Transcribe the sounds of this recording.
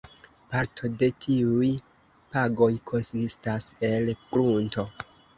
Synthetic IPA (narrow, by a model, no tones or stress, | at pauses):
paɾtʰo̞de̞tʰiuj | paɡo̞jkʰo̞nsistase̞lkɾunto̞